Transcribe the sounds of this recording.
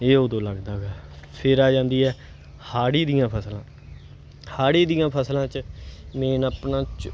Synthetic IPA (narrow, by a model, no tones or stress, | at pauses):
eːoːd̪õːləɡd̪aːɡaːpʰɪɾaːd͡ʒãːnd̪iːɛː | haːɽiːd̪ijãːpʰəslãː | haːɽiːd̪ijãːpʰəslãːt͡ʃmɛ̃ːnaːpnãːt͡ʃ